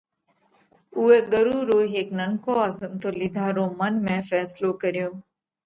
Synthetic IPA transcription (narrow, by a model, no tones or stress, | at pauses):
uːeːɡəɾuːɾoːɦeːknəŋkoːaːzəmt̪oːlɪd̪ʱaːɾoːmənmɛ̃ːfɛːsloːkəɾjõː